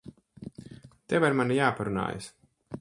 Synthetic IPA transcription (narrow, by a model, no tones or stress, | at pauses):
t̪ɛvaɾmanijaːpaɾuna̰ːja̰s